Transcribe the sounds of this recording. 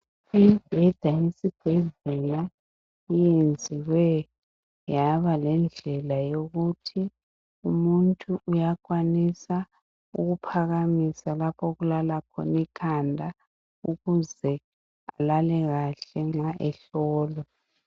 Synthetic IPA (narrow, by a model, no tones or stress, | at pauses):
ib̥ʱɛd̥ʱaisib̥ʱɛzɛla | ijend͡zʱiwɛ | jaβalɛnd͡ɮʱɛlajoɣutʰi | umuntʼuʔujak̬ʼwanisa | uɣupʰaɣamisalapʰɔɣulalakʰɔ̰nikʰandʱa | uɣuzɛ | alalɛɣaɬɛŋ͡ǁaʔɛɬɔːlɔ